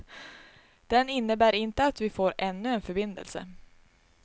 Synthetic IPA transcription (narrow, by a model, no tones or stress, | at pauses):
d̪̥ɛnɪnːəbæːɾɪnt̪əat̪vɪfoːɾɛnːɵɛnfœɾbɪnd̪ə̰lsə̰